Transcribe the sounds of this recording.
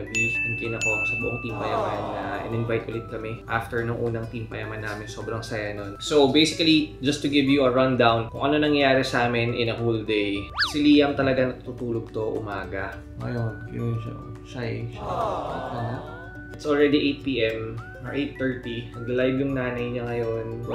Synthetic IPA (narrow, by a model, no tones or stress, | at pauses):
ɐbiʊnt̪ɪnɐko̞nsɐbʊʔoŋt̪iːmpɐjɐmannɐʔɪ̰nɪnvajt̪ʔʊlɛt̪̚kɐmɛʔaft̪ɛɹnʊŋʔuːnɐŋt̪impɐjɐmɐnːaːmɪnso̞ːbɾɐŋsɐjanonsowbejsɪkɐlid͡ʒɐst̪ʊɡɪvjuɐɹɐnd̪awnkʊŋʔɐnonɐŋjaːɾɛsʔaːmɪnʔɪnɐfuld̪ejsɪliːjɐŋt̪ɐlɐɡanɐt̪t̪ut̪uːloɡ̚t̪o̞ʔʊ̰maːɡɐ | ŋɐ̰jonkɪnisɐ̰ | sajʃ | ʔɐna | ʔɪt̪sʔolɹɛd̪iʔejt̪̚piːʔɛm | ɐɹʔejt̪ːɛɹt̪imɐɡlajbjʊŋnaːnɐjɲɐŋɐjonw